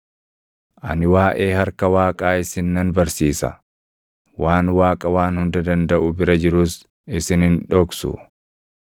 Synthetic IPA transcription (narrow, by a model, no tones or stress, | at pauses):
ʔɐ̰nɪwaːʔe̞ːhɐɾkɐwaːkʼaːɪsɪnːɐnbɐɾsiːsɐ̰ | waːnwaːkʼɐwaːnhʊnd̪ɐd̪ɐnd̪ɐʔʊbɪɾɐd͡ʒɪɾʊs | ɪsɪnɪnᶑɔksʊ̰